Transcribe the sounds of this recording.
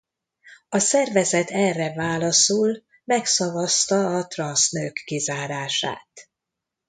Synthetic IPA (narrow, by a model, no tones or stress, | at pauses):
ɒsɛrvɛzɛt̪ʰɛrːɛvaːlɒsol | mɛksɒvɒst̪ɒːt̪rɒnsnøːkːizaːɾaːʃa̰ːt̪